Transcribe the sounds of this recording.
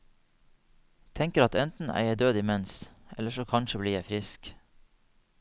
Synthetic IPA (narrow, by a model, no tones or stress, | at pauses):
t̪ʰɛŋkəɾɑt̪ɛnt̪n̩æ̰ɪəɖøːd̪ɪːmɛnsʔɛ̰ləʃoːkʰɑnʃəbliːjæɪfɾɪsk